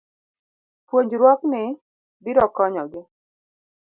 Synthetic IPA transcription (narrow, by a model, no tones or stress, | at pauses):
pwoɲd͡ʒɾwɔknɪ | biɾɔkɔɲɔɡɪ